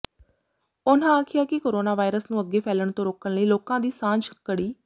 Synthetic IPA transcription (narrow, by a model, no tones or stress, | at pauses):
ʊnãːaːkʰɪjaːkɪkoːɾoːnaːʋaːɪɾəsnũːəɡːeːpʰɛːləɳt̪õːɾoːkəɳləiːloːkãːd̪iːsãːɲd͡ʒkəɽiː